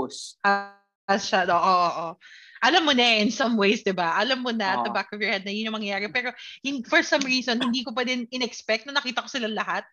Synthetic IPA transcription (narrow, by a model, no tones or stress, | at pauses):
sʔa | ʃanʔoːʔoʔoːʔoʔɐlamːonɐʔɪnsɐmwejsd̪ɪbaʔɐlɐmːonɐt̪ɐbakɔfjɔɹhɛd̪̚nɐjʊnɲːʊmɐŋjɐjaːɾɛpɛːɾo̞hɪfɔɹsɐmɹiːsonhɪnd̪iːkop̬wɛːd̪ɛnɪnɛkspɛk̚t̪nɐnɐkiːt̪ɐkosɪlanlɐhat̪̚